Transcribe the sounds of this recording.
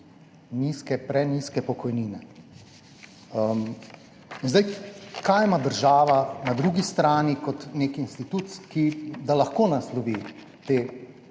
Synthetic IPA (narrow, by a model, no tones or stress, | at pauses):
niːskɛpɾɛniskɛpɔkɔjniːnɛ | əm | inzd̪ajkajmad̪əɾʒaːʋanad̪ɾuːɡist̪ɾaːnikɔt̪neːkinst̪it̪ut̪skid̪alɐxkoːnaslɔʋiː | t̪eː